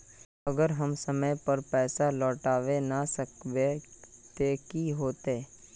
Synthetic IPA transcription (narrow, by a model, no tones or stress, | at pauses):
əɡəɾɦəmsəməjpəɾpɛːsalɔːʈaːʋenasəkʋet̪ekiɦoːt̪eː